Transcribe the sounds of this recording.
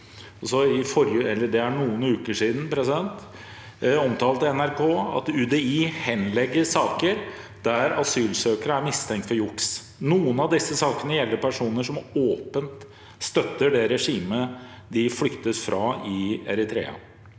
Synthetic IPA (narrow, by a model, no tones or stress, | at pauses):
ɔsɔɪfɔɾjəɛlːəɖ̪ɛæɳuːənʉːkəʂiːd̪n̩pʰɾɛsɪd̪ɛnt̪ | ɔmt̪ʰɑːlt̪ɛnæɾkʰoːɑ̰t̪ʉːd̪ɛiːhɛnlɛɡːəɾsɑːkəɾ | d̪̥æɾɑsyːlsøːkəɾəæɾmɪst̪ʰɛŋk̚t̪fɔɾjʊks | nuːənɑʋd̪ɪsːəsɑːkənəjɛlːəɾpʰæʂuːnəʂɔmoːpənt̪ | st̪œt̪ːəɖɛɾɛʂiːmə | d̪ɪflʏkt̪əsfɾɑɪɛɾɪt̪ʰɾḛːɑ̰